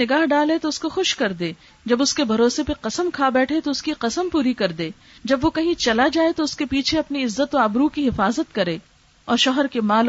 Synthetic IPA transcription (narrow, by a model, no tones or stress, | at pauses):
ɪɡaːɦɖaːlet̪oʊskoxʊʃkɐɾd̪eː | d͡ʒɐbʊskebʱɐɾoːsepeqɐsəmkʰaːbɛːʈʰet̪oʊskiqɐsəmpuːɾikɐɾd̪eː | d͡ʒɐbʋokɐɦĩt͡ʃɐlad͡ʒaːet̪oʊskepiːt͡ʃʰeɐpniɪzːət̪oaːbɾuːkiɦɪfaːzət̪kɐɾeː | ɔːɾʃɔɦəɾkemaːl